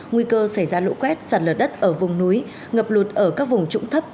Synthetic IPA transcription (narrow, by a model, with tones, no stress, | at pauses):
ŋwi˧kəː˧sa˧˩jzaː˧lo̰˧˥kwɛ˦˥t̚saː˨˩t̚lə˨˩t̚ɗə˦˥t̚ʔəː˧˩vʊ˨˩ŋ͡mnu˨˦j | ŋə˨˩p̚lu˨˩t̚ʔəː˧˩kaː˦˥k̚vʊ˨˩ŋ͡mt͡ɕʊ̰˧˥ŋ͡mt̪ʰə˦˥p̚